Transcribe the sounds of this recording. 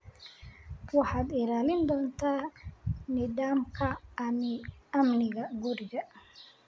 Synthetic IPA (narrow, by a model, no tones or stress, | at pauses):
wɑħɑːd̪ɪlaːlɪnd̪ɔːnt̪ʰaː | niːðaːmkʰɐːnɪɐmnɪɣɐɡʊɾɪɣɐ